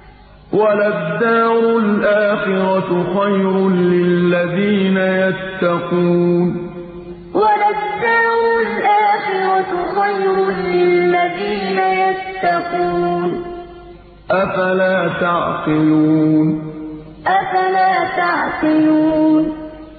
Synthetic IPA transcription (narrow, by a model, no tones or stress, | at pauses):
walad̪ːaːɾʊlʔaːxɪɾɑxajɾʊlɪlːaðiːnajat̪ːɑquːn | walad̪ːaːɾʊlʔaːxɪɾɑxajɾʊlɪlːaðiːnajat̪ːɑquːn | ʔafalaːt̪aʕqɪluuːn | ʔafalaːt̪aʕqɪluːn